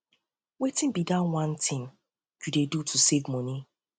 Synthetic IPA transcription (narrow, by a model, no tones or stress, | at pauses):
wetɪ̃nbidãnwãntʰɪ̃m | dudedutʰusevmɔni